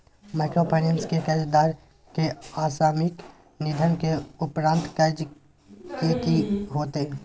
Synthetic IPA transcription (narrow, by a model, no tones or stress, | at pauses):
maːkɾoːpʰaːnənskekəd͡ʒd̪aːɾ | keaːsaːmɪk | nɪd̪ʱənkeʊpɾãːnt̪kəd͡ʒ | kekiɦoːt̪e